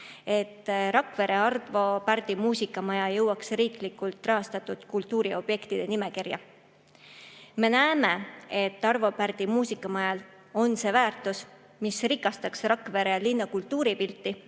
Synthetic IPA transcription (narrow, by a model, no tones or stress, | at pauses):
e̞t̪ːˑɾɑkve̞ɾe̞ɑrvo̞pærd̪̥imuːsikːˑɑmɑjɑjɤwːɑksriːklikːˑult̪ːˑrɑɦɑst̪ɑt̪ːˑud̪̥kult̪ːˑuːɾio̞b̥je̞kt̪id̪e̞nime̞kirjɑ̰ | me̞næeme̞e̞t̪ːˑɑrvo̞pærd̪̥imuːsikːˑɑmɑjɑl | o̞nse̞ːvæːrt̪ːˑus | misrikːˑɑst̪ɑksrɑkve̞ɾelinːɑkult̪ːˑuːɾipilt̪ːi